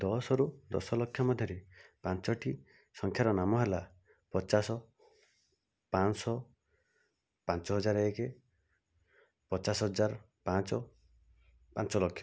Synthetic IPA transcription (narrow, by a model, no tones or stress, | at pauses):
d̪ɔsɔɾud̪ɔ̰sɔlɔkʰːjɔmɔd̪ʱjɔɾepant͡ʃɔʈʰi | sɔŋkʰjaɾɔnamɔɦela | pɔt͡ʃasɔ | pansɔ | pant͡ʃɔɦɔd͡ʒaɾeeke | pɔt͡ʃasɔɦɔd͡ʒaɾ | pãt͡ʃɔ | pant͡ʃɔlɔkʰːjɔ